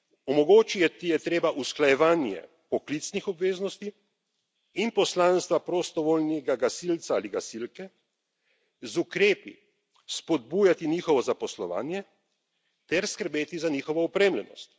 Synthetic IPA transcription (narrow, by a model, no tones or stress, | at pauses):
ɔmɔɡoːt͡ʃijɛt̪ijɛt̪ɾeːbaʔusklajɛʋaːnjɛ̰ | pɔklit̪snixɔbʋeːznɔst̪i | inpɔslaːnst̪ʋapɾɔst̪ɔʋolnɛɡaɡasilt̪saaliɡasilkɛ | zukɾeːpḭ | spɔd̪̚buːjat̪iniːxɔʋɔzapɔslɔʋa̰ːnjɛ | t̪ɛɾskəɾbeːt̪izaniːxɔʋɔɔpɾeːmlɛnɔ̰st̪